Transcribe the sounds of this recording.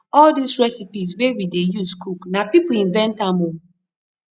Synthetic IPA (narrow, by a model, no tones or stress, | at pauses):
ɔldisɹɛsipis̬wewidejuskuknapipʊĩnvɛ̃ntamom